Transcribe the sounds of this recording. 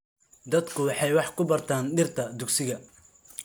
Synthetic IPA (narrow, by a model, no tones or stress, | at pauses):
d̪ɐd̪kʰʊwɑħɑjwɑħkʰʊbɐrt̪ʰaːnɖɪrt̪ʰɐd̪ʊɡsɪɣɐ